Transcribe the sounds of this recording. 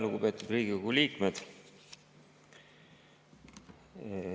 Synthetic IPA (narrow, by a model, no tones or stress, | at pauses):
lukupet̪ːˑud̪riːɡ̥iokuliːkmed̪̥